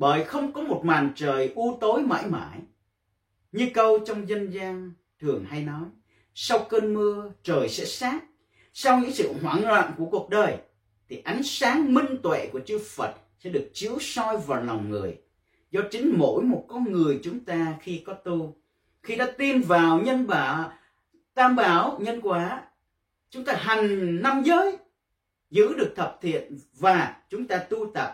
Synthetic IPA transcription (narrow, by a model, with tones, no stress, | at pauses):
ɓəː˧˨˩jxə˧wŋ͡mkɔ˨˦mo˨˩t̚maː˨˩nt͡ɕəː˨˩jʔu˧t̪o˨˦jma̰ː˧˥jma̰ː˧˩˨j | ɲɨ˧kə˧wt͡ɕɔ˧wŋ͡mzə˧nzaː˧ŋ | t̪ʰɨ˨˩əŋɦa˧jnɔ˨˦j | sa˧wkəː˧nmɨ˧ət͡ɕəː˨˩jsɛ̰˧˥saː˦˥t̚ | sa˧wɲɨ̰˧˥ŋsɨ̰˧˨hwaː˧˩ŋlwa̰ː˧˨nku˧˩əku˨˩ək̚ɗəː˨˩j | t̪ʰi˨˩ʔa˨˦jŋ̟saː˨˦ŋmï˧ŋ̟t̪wḛ˧˨ku˧˩ət͡ɕɨ˧fə˨˩t̚sɛ̰˧˥ɗɨ˨˩ək̚t͡ɕi˨˦əwsɔ˧jvaː˨˩wla˨˩wŋ͡mŋɨ̰˨˩əj | zɔ˧t͡ɕï˨˦ŋ̟mo̰˧˥jmo˨˩t̚kɔ˧nŋɨ˨˩əjt͡ɕʊ˨˦ŋ͡mt̪aː˧xi˧kɔ˨˦t̪u˧ | xi˧ɗa̰ː˧˥t̪i˧mvaː˨˩wɲə˧nɓaː˧˩˦ | t̪aː˧mɓaː˧˩wɲə˧nkwaː˧˨˧ | t͡ɕʊ˨˦ŋ͡mt̪aː˧ɦa˨˩jŋ̟na˧mzəː˨˦j | zɨ̰˧˥ɗɨ˨˩ək̚t̪ʰə˨˩p̚t̪ʰḭ˧˨ən | vaː˨˩t͡ɕʊ˨˦ŋ͡mt̪aː˧t̪u˧t̪ə˨˩p̚